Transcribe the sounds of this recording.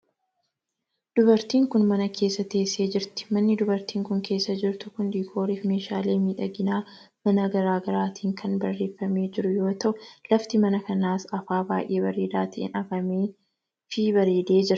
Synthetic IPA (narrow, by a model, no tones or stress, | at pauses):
d̪̥ʊbɐɾt̪iːŋkʊnmɐnɐkʰe̞ːsːɐt̪e̞ːsːe̞ːd͡ʒɪɾt̪ɪ̥mɐnːɪd̪ʊbɐɾt̪iːŋkʊŋkʰe̞ːsːɐd͡ʒɪɾt̪ʊkʊnd̪iːkʰo̞ːɾiːfme̞ːʃaːle̞ːmiːᶑɐɡɪnaː | mɐnɐɡɐɾaːɡɐɾaːt̪ʰiːŋkʰɐnbɐrːe̞ːfːɐme̞ːd͡ʒɪɾʊjo̞ːt̪ɐʔʊlɐft̪ɪmɐnɐkɐnaːsɐfaːbaːjʔe̞ːbɐɾeːd̪aːt̪ʰɐʔɪ̰nɐfɐmeː | fɪbɐɾeːd̪e̞ːd͡ʒɪɾɐ